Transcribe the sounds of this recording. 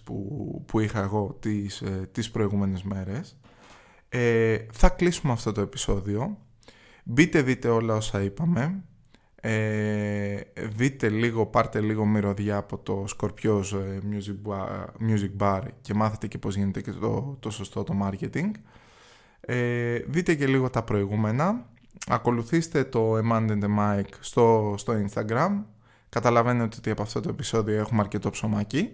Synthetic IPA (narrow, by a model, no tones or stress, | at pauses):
pṵpuixɐeɣo̞t̪ist̪ispɾo̞iɣume̞ne̞zme̞ɾe̞s | eθɐklisumeɐft̪o̞t̪oe̞pi̥so̞ðio̞ | bit̪e̞ðit̪e̞o̞lɐo̞sɐipɐme̞ | e | ðit̪e̞liɣo̞pɐɾt̪e̞liɣo̞miɾo̞ðʝɐːpo̞t̪o̞sko̞ɾpço̞smjuzimjuzik̚bɐɾce̞mɐθet̪e̞cepo̞zʝine̞t̪eceo̰t̪o̞so̞st̪o̞t̪o̞mɐɾce̞t̪iŋɡ | eðit̪e̞ce̞liɣo̞t̪ɐpɾo̞iɣume̞nɐ | ɐko̞luθist̪e̞t̪o̞emɐnd̪end̪emɐjkst̪ost̪o̞inst̪ɐɡɾɐm | kɐt̪ɐlɐve̞nio̞t̪iot̪iɐpoɐft̪o̞t̪oe̞pi̥so̞ðioe̞xumeɐɾce̞t̪o̞pso̞mɐci